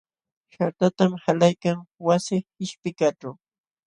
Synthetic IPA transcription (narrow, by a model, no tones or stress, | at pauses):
ʃaɾt̪at̪amhalajkaŋwasɪɪʃpɪkaʈ͡ʂaw